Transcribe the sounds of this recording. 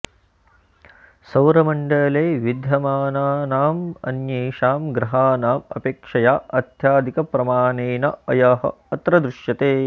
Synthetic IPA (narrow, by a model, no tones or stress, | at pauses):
sɐwɾɐmɐɳɖɐːleːʋid̪ʱjɐmaːnaːnaːmɐ̰njeːʂaːmɡɾɐɦaːnaːmɐ̰peːkʂɐjaːɐt̪jaːd̪ʱikɐpɾɐmaːneːnɐɐjɐɦɐ̰ | ɐt̪ɾɐd̪ɾuʃjɐt̪eː